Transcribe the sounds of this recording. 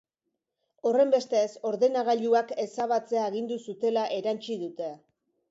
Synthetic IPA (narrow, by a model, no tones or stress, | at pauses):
o̞re̞mbe̞st̪e̞ːso̞ɾðe̞naɣaʎuake̞saβat͡se̞aeɣind̪usut̪e̞laʔe̞ɾant͡ʃiðut̪e̞